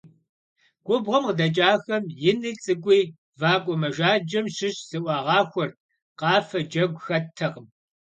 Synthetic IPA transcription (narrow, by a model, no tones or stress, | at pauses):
ɡ̥ʷʊbʁɐmqdɐt͡ʃʼaːxɐmjɪniːt͡sʼɨkʷʼiː | vaːkʷʼɔmɐʒaːd͡ʒɐmʃɪɕz̥ɨʔʷɑːʁɑːxʷɔr | qɑːfɐd͡ʒɐɡʷxɐtʰɐqəm